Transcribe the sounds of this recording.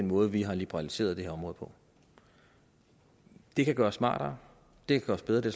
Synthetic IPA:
enmɔ̽ːð̞̩ˠʋiɦɑ̈lib̥eʁɑ̈lise̝̰ːɐðˠd̥e̝heɐɒ̽mʁɔ̽ð̩ˠpʰɒ̽ | d̥e̝kʰæɡ̥ɶːɐsːmɑ̰̈ːɾ̥ɐ | d̥e̝kʰæɡ̥ɶːɐsb̥eð̞ˠʁɐd̥e̝s

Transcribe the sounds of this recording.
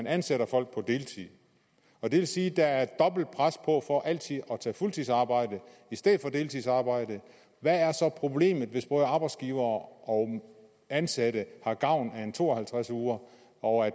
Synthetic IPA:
ænænseɾɐfɒ̽l̰ɡ̥̚pʰɒ̽d̥e̝ːlt͡sʰiðˠ | ɒ̽d̥e̝ʋe̝lsiːd̥ææɐd̥ɒ̽b̥l̩d̥̚pʰʁaspʰɒ̽fɒ̽ʔæl̰t͡sʰiðˠɒ̽t͡sʰɛ̰ːfult͡sʰisɑ̈ːb̥ɑ̈ɪ̰d̥əisd̥eð̰ˠfɒ̽d̥e̝ːlt͡sʰisɑ̈ːb̥ɑ̈ɪ̰d̥ə | ʋææɐsɒ̽pʰʁo̝b̥le̝̰ːmð̩ˠʋe̝sb̥ʁɔɐɑ̈ːb̥ɑ̈ɪdsɡ̥iːʊɐːʔɒ | ænsæɾəhɑ̈ɡ̥ɑ̈ʊ̰næent͡sʰo̝̰ːɒhælt͡sʰʁasuːɐ | ɒæ

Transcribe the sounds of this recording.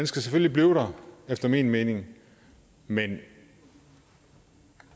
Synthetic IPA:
ænsɡ̥æseføllibliːʊɾ̥ɐefd̥ɐmḭːnme̝ːne̝ŋ | men

